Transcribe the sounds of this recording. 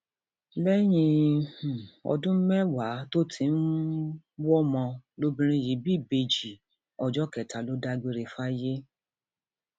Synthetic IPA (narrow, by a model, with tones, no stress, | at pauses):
lɛ˦j̃ĩ˧h̩˨ɔ̰˧dũ˦m̩˦mɛ˦wa˨˦to˦tʰi˧n̩˦ | wɔ˦mɔ̃˧lo˦bĩ˦ɾ̃ĩ˧ji˨˦bi˦˨be˧˨d͡ʒi˨ | ɔ˧d͡ʒɔ˦kɛ˨ta˨lo˨˦da˧ɡ͡be˧ɾe˧fa˦je˦